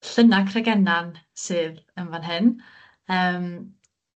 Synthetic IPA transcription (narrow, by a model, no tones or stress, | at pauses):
ɬənakʰrɛɡɛnansɨːðəmvanɦɨn | əːm